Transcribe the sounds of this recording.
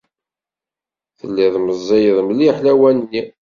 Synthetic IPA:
θəlːiðməzˤːejəðˤmliħlæwænnːi

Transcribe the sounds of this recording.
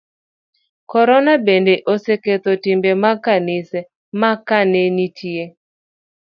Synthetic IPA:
kɔɾɔnabendeʔoseket̪otɪmbemakanɪsɛ | makanenitʰie

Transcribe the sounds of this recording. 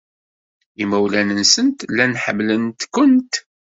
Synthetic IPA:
imæwlænənsənt̪lːænħə̰mːlənt̪kʊnt̪

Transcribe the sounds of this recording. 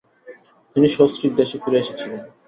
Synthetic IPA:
t̪iniʃosɾiɾ̚d̪eʃefiɾeeʃet͡ɕʰilen

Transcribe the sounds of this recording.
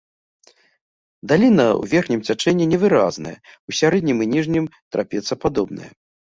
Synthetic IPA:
d̪alʲinɐw̰vʲɛrxnʲimt͡sʲat͡ʂɛnʲːɛnʲɛvɨɾaznɐ̰jɛusʲaɾɛd̪ʲnʲimɨnʲiʐnʲimt̪ɾa̰pʲɛt̪sːɐpad̪ɔbnɐ̰jɛ̰

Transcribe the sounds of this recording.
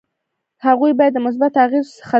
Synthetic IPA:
haɣujbɑjad̪ːəmʊs̬bat̪aɣizsə̥χa

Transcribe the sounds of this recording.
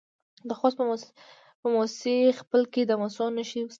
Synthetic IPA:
d̪əxɑsə | pəmɔssexpəlked̪əmɔsɑnːəʃiws

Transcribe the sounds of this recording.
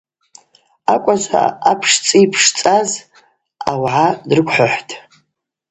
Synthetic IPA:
akʷʼaza̰apʰʂt͡sʼiipʰʂt͡sʼaz | a̰wʕadrɨkʷʰʼħʷʊħʷtʰʼ

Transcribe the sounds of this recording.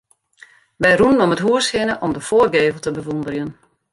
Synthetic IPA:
ʋɛjrunənɔmətɦuəshɪnəʔɔmdəfoərɡeːvəlˠtəbəʋundərjən

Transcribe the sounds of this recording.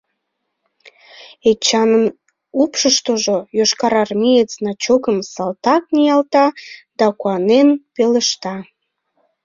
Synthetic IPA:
et͡ɕɑnən | upʃəʃt̪oʒojoʃkɑɾɑrmijet͡snɑt͡ɕokəmsɑlt̪ɑk̚nijɑlt̪ɑd̪̥ɑkuɑnenpeləʃt̪ɑ

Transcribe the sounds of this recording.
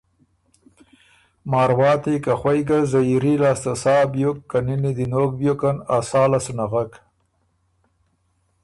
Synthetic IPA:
mɑːɾwɑːt̪ikaxwajɡazajiɾilaːst̪asɑːbjukːaninid̪inoːk̚bjokanasɑːlasunaɣak

